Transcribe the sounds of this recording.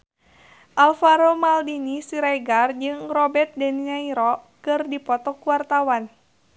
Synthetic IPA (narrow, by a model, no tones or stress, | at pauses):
ʔalfaɾomaldinisiɾajɡard͡ʒɨŋrɔbɛrt̪̚dɛninaiɾɔkɨrdipɔt̪ɔkuwart̪awan